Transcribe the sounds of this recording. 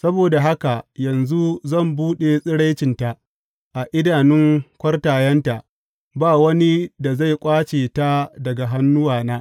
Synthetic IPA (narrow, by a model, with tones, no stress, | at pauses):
sɐ˦boː˨da˨ɦa˦ka˨jɐ˨nzu˦zɐ˦˨mbuː˦ɗe˨sʼɪ˦ɽa˦jt͡ʃɪ˨nta˨ | ʔa˨ʔɪ˦daː˨nɪ˦ŋkʷɐ˦rtaː˨jɐ˦nta˨ʔ | baː˦˨wɐ˦ni˦da˨za˦˨jkʷʼaː˦t͡ʃeː˨ta˦dɐ˨ɡa˨ɦa˦nːʊ˦waː˨naː˦